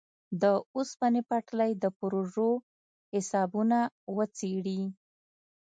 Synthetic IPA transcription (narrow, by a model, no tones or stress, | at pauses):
d̪əuspanepaʈlajd̪əpɾoʐo | hɪsɑbunawət͡seɽi